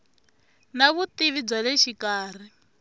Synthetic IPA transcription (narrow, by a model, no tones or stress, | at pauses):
naβut̪iβid͡zwalɛʃikaːr̤i